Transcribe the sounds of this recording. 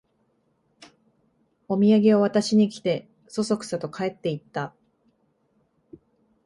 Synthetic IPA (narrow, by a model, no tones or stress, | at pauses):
o̞mʲiaɡʲe̞oβat̪aɕiɲ̟ikʲi̥t̪e̞ | so̞so̞kɯ̟̥sat̪o̞kae̞t̪ːe̞it̪ːa